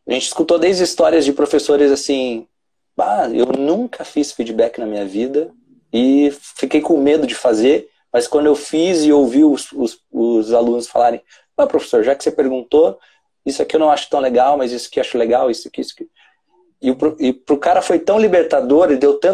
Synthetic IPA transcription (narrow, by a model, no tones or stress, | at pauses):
aʒẽnt͡ʃɪ̥skut̪od̪ejzist̪ɔɾiɐzd͡ʒɪpɾofesoɾɪzasĩ | aḛwnũŋkɐfisfid͡ʒɪbɛkɪnɐmĩɲɐvid̪ɐ | ɪfikejkõmed̪ʊd͡ʒɪfazeɾ | mɐskwɐ̃d̪ʊewfizɪowviwʊsʊs | ʊzalũnʊsfa̰laɾẽj̃ | ɐ̃pɾofe̥soɾʒakɪ̥sepeɾɡũnt̪o | isʊakiewnɐ̃w̃aʃʊt̪ɐ̃w̃leɡawmɐzisʊ̥kewaʃʊleɡawisʊakiisʊ̥kɪ | ɪʊpɾoɪpɾʊkaɾɐfojt̪ɐ̃w̃libeɾt̪ad̪oɾelɪd̪ewt̪ɐ̃